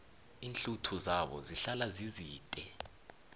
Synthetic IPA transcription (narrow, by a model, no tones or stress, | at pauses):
iːnɬutʰuzaɓɔ̰ziɬalaziziːtʼɛ